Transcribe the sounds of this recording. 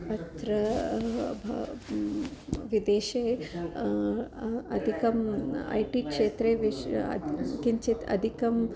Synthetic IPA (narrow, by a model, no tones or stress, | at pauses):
ɐt̪ɾɐ | ʋid̪eːʃeː | ɐd̪ʱikɐmɐ̰jʈiːkʂeːt̪ɾeːʋiɐ̰kiɲt͡ʃit̪ɐ̰d̪ʱikɐm